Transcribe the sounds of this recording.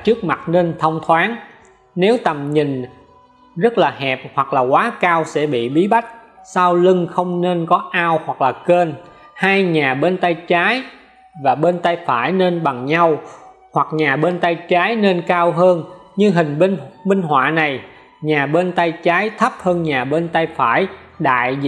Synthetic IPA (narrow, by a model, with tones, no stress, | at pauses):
t͡ɕɨ˦˥ək̚ma˨˩t̚ne˧nt̪ʰə˧wŋ͡mt̪ʰwaː˨˦n | ne˨˦wt̪ə˨˩mɲï˨˩ŋ̟ | zə˦˥t̚laː˨˩hɛ˨˩p̚hwa˨˩k̚laː˨˩kwaː˨˦kaː˧wsɛ̰˧˥ɓḭ˧˨ɓi˨˦ɓa˦˥jk̟̚ | saː˧wlɨ˧ŋxə˧wŋ͡mne˧nkɔ˨˦ʔaː˧whwa˨˩k̚laː˨˩ke˧n | haː˧jɲaː˨˩ɓe˧nt̪a˧jt͡ɕaː˨˦j | vaː˨˩ɓe˧nt̪a˧jfaː˧˩jne˧nɓa˨˩ŋɲa˧w | hwa˨˩k̚ɲaː˨˩ɓe˧nt̪a˧jt͡ɕaː˨˦jne˧nkaː˧wɦəː˧n | ɲɨ˧ŋɦï˨˩ŋ̟ɓŋmï˧ŋ̟ɦwa̰ː˧˨na˨˩j | ɲaː˨˩ɓe˧nt̪a˧jt͡ɕaː˨˦jt̪ʰə˦˥p̚həː˧nɲaː˨˩ɓe˧nt̪a˧jfaː˧˩˨j | ɗa̰ː˧˨j